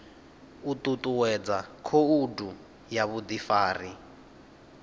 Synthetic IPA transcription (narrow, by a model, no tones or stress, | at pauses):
ut̪ʼut̪ʼuwɛd͡zakʰoudu | jaβud̪ifaːri